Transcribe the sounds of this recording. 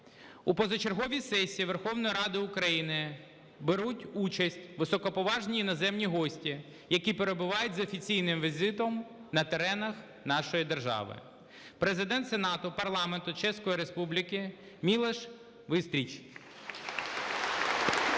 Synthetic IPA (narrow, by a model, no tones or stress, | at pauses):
upɔzɔt͡ʃe̞ɾɦɔʋʲisɛsʲiiʋerxɔwnɔjiɾɑd̪ɪʊkɾɐjinɪ | beɾutʲut͡ʃɐsʲtʲʋɪsɔkɔpɔʋɑʒnʲiinɔzɛmnʲiɦɔsʲtʲi | jɐkʲipeɾe̞bʊʋɑjʊt̚ʲzɔfʲit͡sʲijnɪmʋʲizɪt̪ɔmnɐt̪eɾɛnɐx | nɑʃɔjid̪erʒɑ̰ʋɪ̰ | pɾezɪd̪ɛnt̪senɑt̪ʊpɐrlˠɑment̪ʊt͡ʃɛsʲkɔjiɾespublʲɪkɪ | mʲilˠeʃ | ʋɪst̪ʲɾʲit͡ʃ